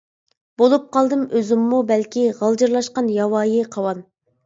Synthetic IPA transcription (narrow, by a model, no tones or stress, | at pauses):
b̥olˠup̚qʰɑlˠd̪ɨmøzɪmːubɛlkʲiʁɑlˠd͡ʒɨɾlˠɑʃqɑnjɑwɑːjiqʰɑwɑn